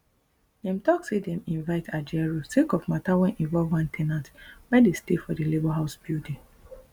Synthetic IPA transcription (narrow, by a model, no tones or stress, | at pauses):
dɛ̃mtɔksedɛ̃mĩnvaɪtʰad͡ʒɛɹosekɔvmatawɛ̃nʔĩɱvɔlvwãntʰɛnãntwɛdestefɔdelebɔɦaʊsbide